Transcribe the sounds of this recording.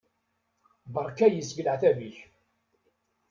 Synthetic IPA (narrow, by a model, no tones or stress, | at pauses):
bəɾˤkæjəsɡləʕθæviç